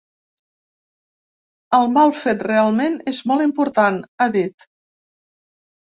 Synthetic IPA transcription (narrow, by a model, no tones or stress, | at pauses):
əlˠmalˠfet̪realˠmenezmɔlˠimpuɾt̪anaðit̪